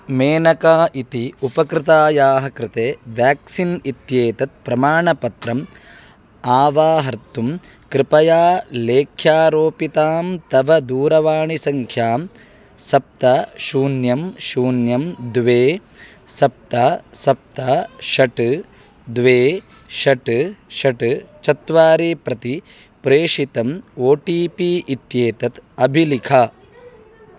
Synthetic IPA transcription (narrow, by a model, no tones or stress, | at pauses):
meːnɐkaːʔit̪iupɐkɾɪt̪aːjaːɦɐkɾɪt̪eːʋjaːksinit̪jeːt̪ɐt̪̚pɾɐmaːɳɐpɐt̪ɾɐm | aːʋaːɦɐɾt̪um | kɾɪpɐjaːleːkʰjaːɾoːpit̪aːmt̪ɐʋɐd̪uːɾɐʋaːɳisɐŋkʰjaːm | sɐp̚t̪ɐʃuːnjɐmʃuːnjɐmd̪ʋeː | sɐp̚t̪asɐp̚t̪aʃɐʈ | d̪ʋeː | ʃɐʈʃɐʈt͡ʃɐt̪ʋaːɾiːpɾɐt̪i | pɾeːʂit̪ɐmoːʈiːpiːʔit̪jeːt̪ɐt̪ɐbʱilikʰa